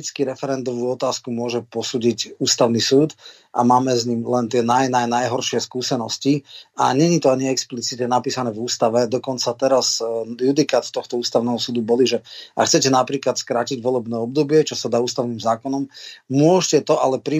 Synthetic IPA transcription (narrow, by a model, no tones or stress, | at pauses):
t͡skiɾɛfɛɾɛnd̪ɔʋuːɔt̪aːskumʊɔʒɛpɔsuːɟicuːst̪aʊnisuːt̪ | ʔa̰maːmɛzɲimlɛnt̪ɪɛnajnajnajɦɔɾʃɪɛskuːsɛnɔscia̰ɲɛɲit̪ɔaɲiɛksplit͡sit̪ɲɛnapiːsanɛːvuːst̪aʋɛd̪ɔkɔnt͡sat̪ɛɾazjud̪ikat̪t̪ɔxt̪ɔuːst̪aʊnɛːɦɔsuːd̪ubɔliʒɛa̰kxt͡sɛcɛnapɾiːklat̪skɾaːciɟʋɔlɛbnɛːɔbd̪ɔbɪɛt͡ʃɔsad̪aːuːst̪aʊnimzaːkɔnɔmmʊɔʃcɛt̪ɔʔalɛpɾi